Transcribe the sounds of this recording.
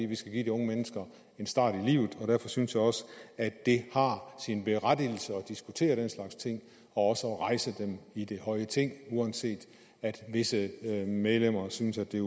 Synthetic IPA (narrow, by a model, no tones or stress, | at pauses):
fdḭːʋisɡ̥æɡ̥ḭːd̥iɔ̽ŋəmenəsɡ̥ɐ | e̝nsd̥ɑ̰̈ːɾ̥ilḭːʊð̩ˠɒ̽ɾ̥æɐfɒ̽synsjɑɒ̽səædd̥e̝hɑ̈sinb̥e̝ʁad̥il̩səɒd̥isɡ̥ut͡sʰe̝̰ːɐɾ̥enslɑ̈ɡ̥st͡sʰe̝ŋ̰ | ɒ̽ɒ̽səɒʁɑ̈ɪsəd̥emid̥e̝hɒ̽ɪət͡sʰe̝ŋ̰uænse̝̰ːd̥ | æd̥ʋe̝səmeðˠlem̰ɐsynəsæd̥e̝